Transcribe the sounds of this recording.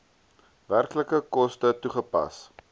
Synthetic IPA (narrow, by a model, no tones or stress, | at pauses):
værkləkəkɔstətuχəpɐ̰s